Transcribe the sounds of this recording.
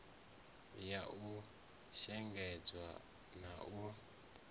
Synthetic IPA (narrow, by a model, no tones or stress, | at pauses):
jau | ʃɛŋɡɛd͡zwa̰ | nau